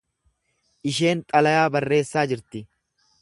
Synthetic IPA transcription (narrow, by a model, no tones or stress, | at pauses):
ʔɪʃe̞ːnt̪ʼɐlɐjaːbɐrːe̞ːsːaːd͡ʒɪɾt̪ɪ